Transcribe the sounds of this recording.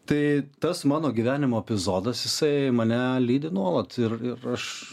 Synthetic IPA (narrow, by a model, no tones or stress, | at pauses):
t̪ɐɪt̪ɐsmɑːnoːɡʲiʋʲæːnʲɪmoːɛpʲɪzoːd̪ɐsjɪsɐɪmɐnʲɛlʲiːd̪ʲɪnuɔlˠɐt̪ɪrɪrɐʃ